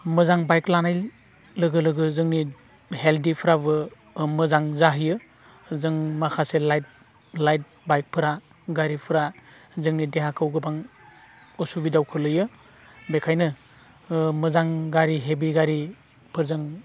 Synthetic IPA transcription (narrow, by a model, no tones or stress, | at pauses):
mɯzaŋbajklanaj | lɯɡɯlɯɡɯzɯŋni | heldipʰɯɾaβɯ | mɯzaŋzaɦɯjɯ | zɯŋmakʰaselajt̚ | lajt̚ | bajk̚pʰɯɾa | ɡaɾipʰɯɾa | zɯŋnideɦakʰɯwɡɯbaŋ | ɔsubidawkʰɯlɯjɯ | bekʰajnɯ | mɯzaŋɡaɾiɦebiɡaɾi | pʰɯɾzɯŋ